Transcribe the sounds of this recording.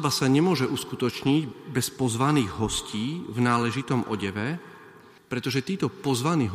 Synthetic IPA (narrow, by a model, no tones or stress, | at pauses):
basaɲɛmʊɔʒɛʔuskut̪ɔt͡ʃɲiɟbɛspɔzʋaniːɣɦɔsciːvnaːlɛʒit̪ɔmʔɔ̰ɟɛʋɛ | pɾɛt̪ɔʒɛt̪iːt̪ɔpɔzʋaniːɦ